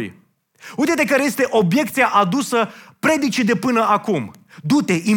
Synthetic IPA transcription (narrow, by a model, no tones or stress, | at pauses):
j | ujt̪et̪ekaɾeje̞st̪e̞ʔo̞bje̞kt̪siaʔad̪usəpɾe̞d̪it͡ʃid̪e̞pɨnəakum | d̪ut̪e̞ʔi